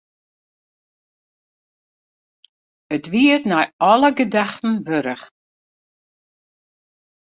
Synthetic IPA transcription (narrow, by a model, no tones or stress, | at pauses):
ətviːəɾnajɔləɡədaxtn̩vɵɾəx